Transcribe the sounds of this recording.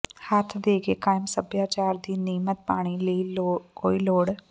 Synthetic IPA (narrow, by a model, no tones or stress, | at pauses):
haːt̪ʰd̪eːɡekaːjmsəbjaːt͡ʃaːɾd̪iːniːmət̪̚paːɽ̃ileilokoːiloːɽ